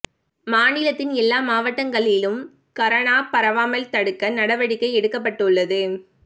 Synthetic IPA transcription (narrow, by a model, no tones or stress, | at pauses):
maːnɪlɐt̪ːɪnɛlːaːmaːʋɐʈːɐŋɡɐɭɪlɯm | kɐɾɐɳaːpɐɾɐʋaːmɐlt̪ɐɽɯkːɐnɐɽɐʋɐɽɪkːɐɪɛɽɯkːɐp̬ːɐʈːɯɭːɐðɯ